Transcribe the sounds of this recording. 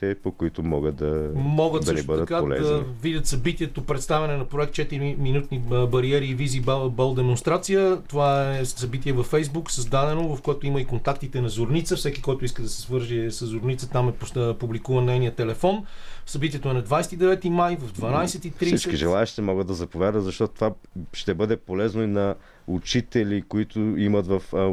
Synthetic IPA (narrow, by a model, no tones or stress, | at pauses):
t̪ɛpokoit̪omɔɡət̪̚d̪ɐmɔɡət̪d̪ɐnibəd̪ətkaolɛ̰d̪ɐzvid̪ʲət̪sɐbit̪iɛt̪opɾɛt̪st̪avɛnɛnɐpɾoɛk̚t̪t͡ʃɛt̪iɾiminut̪nibɐɾiɛɾiːvizibbɛlˠd̪ɛmonst̪ɾat̪sijət̪ovaɛsɐbit̪iɛvɐfɛjzbuksɐzd̪ad̪ɛnovɐfkoɛt̪oiməikont̪akt̪it̪ɛnɐzoɾnit̪səfsɛkikɔjt̪ʊiskəd̪ɐsɛ̥svɤɾʒisəzːʊɾnit̪sət̪amɛp̪publikuvənːɛjnijət̪ɛlɛfɔnsɐbit̪ʲiɛt̪oɛnɐd̪vajsɛt̪id̪ɛvɛt̪imajvɐvd̪vɐnajsɛt̪itfɾsisit͡ʃkiʒɛlˠaɛʃt̪ɛmɔɡəd̪ːɐzɐpovʲjad̪əzɐʃt̪ɔt̪t̪ovaʃt̪ɛbɤd̪ɛpolɛznoinɐ | ut͡ʃit̪ɛlʲikoit̪ʊimɐt̪vɐf